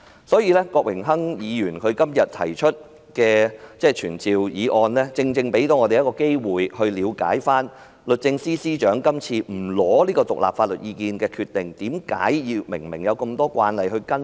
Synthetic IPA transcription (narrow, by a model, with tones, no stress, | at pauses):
sɔː˨˥jiː˧lɛː˥kɔː˧k̚wɪ˨˩ŋɦɐ˥ŋjiː˨˧jyː˨˩nkʰɵ˨˧ɥkɐ˥mjɐ˨t̚t̪ʰɐ̰˨˩jt͡ʃʰɵ˥t̚ | kɛː˧t͡sɛː˥˩t͡ʃʰyː˨˩nt͡siː˨wjiː˨˧ʔɔː˧nlɛː˥t͡sɪ˧ŋt͡sɪ˧ŋpe˨˥jt̪o˨˧wŋɔː˨˧te˨jɐ˥kɔː˧ke˥jwuː˨jhɵ˧ɥliː˨˧wka̰ː˨˥jfaː˥n | lɵ˨t̚t͡sɪ˧ŋsiː˥siː˥t͡ʃœː˨˥ŋkɐ˥mt͡sʰiː˧m̩˨˩lɔː˨˥liː˥kɔː˧t̪ʊ˨k̚la̰˨p̚faː˧t̚lɵ̰˨t̚jiː˨˧kiː˧nkɛː˧kʰyː˧t̪ɪ˨ŋt̪iː˨˥mka̰ː˨˥jji˧wmɪ˨˩ŋmɪ̰˨˩ŋjɐ˨˧wkɐ˧mt̪ɔː˥kʷa̰ː˧nlɐ˨jɦɵ˧ɥkɐ˥n